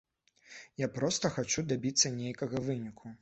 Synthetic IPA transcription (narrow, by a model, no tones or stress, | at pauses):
japɾɔst̪ɐxat͡ʃud̪abʲit̪sːɐnʲejkɐɣɐvɨnʲikʰu